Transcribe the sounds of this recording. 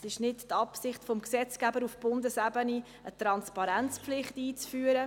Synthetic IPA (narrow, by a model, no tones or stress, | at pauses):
sɪʃnɪttɑpsɪχtfɔmksɛt͡sɡ̥æbəɾufb̥ʊndəsabəni | ət̪ɾɑnspɑɾɛnt͡spflɪχtiːt͡sfyːɾə